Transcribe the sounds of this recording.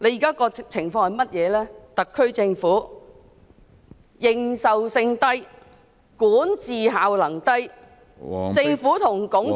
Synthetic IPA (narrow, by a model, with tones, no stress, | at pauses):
le˧jiː˨˩kaː˥kɔː˧t͡sʰɪ˨˩ŋfɔː˧ŋhɐ˨jmɐ˥t̚jɛː˨˧lɛː˥t̪ɐ˨kʰːɵ˥ɥt͡sɪ˧ŋfuː˨˥ | jɪ˨˩ŋsɐ˨wsɪ˧ŋt̪ɐ˥j | kuː˨˥nt͡siː˨ɦaː˨wlɐ˨˩ŋt̪ɐ˥j | t͡sɪ˧ŋfuː˨˥t̪ʰʊ˨˩ŋkʊ˨˥ŋ